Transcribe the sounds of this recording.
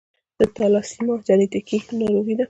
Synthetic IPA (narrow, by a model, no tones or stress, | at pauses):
d̪̥ət̪alɑsimɑd͡ʒanet̪ikinɑɾoɣid̪a